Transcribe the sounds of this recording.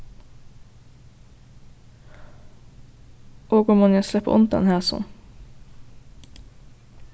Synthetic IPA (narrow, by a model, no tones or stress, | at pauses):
ʔoːɡɔmɔnjɛslɛpə̰ʔʊ̰nt̪d̪ɑ̰nhæːsɔ̰n